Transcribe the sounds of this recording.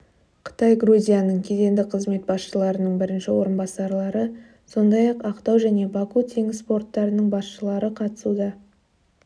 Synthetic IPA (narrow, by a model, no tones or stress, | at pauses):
qʰə̥t̪ɑjɡɾuzʲijanəɴkʲʰe̞ze̞nd̪ɪqʰəzme̞t̪̚bɑsʃəlˠɑɾənəɴbɪɾɪnʃɪwo̞ɾənbɑsɑɾlˠɑɾə | so̞nd̪ɑjɑqɑqt̪ɑwʒæne̞bɑkut̪ʰeŋɪsspo̞rt̪ːɑɾənəɴbɑsʃəlˠɑɾəqʰɑt̪ə̥sud̪ɑ